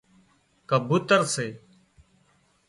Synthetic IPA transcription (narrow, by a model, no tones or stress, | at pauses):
kəbʱuːt̪əɾseː